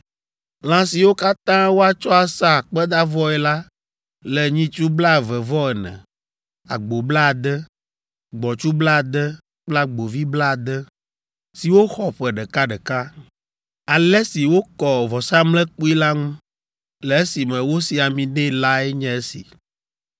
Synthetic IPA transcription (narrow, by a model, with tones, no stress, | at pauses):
lã˦si˨wo˦ka˦t̪ã˦wo˦a˨t͡ʃɔ˦a˨sa˦˨k͡pɛ˦d̪a˦vɔ˦ɛ˨la˦ | lɛ˨ɲĩ˦t͡ʃu˦bla˦˨vɛ˨vɔ˦ɛ˨nɛ̰̃˨ | a̰˨ɡ͡bo˨bla˦˨d̪ɛ˦ | ɡ͡bɔ˨t͡ʃu˦bla˦˨d̪ɛ˦ | k͡pla˦ɡ͡bo˨vi˦bla˦˨d̪ɛ˦ | si˨wo˦xɔ˨ɸɛ˨ɖɛ˨ka˦ɖɛ˨ka˦ | a˨lɛ˦si˨wo˦kɔ˨vɔ˨sa˦mlɛ˦k͡pu˦i˦la˦ŋũ˦ | lɛ˨e˦si˨mɛ̃˨wo˦si˨a˨mĩ˨ɖɛ˦la˦ɛ˦ɲɛ̃˦e˦sḭ˨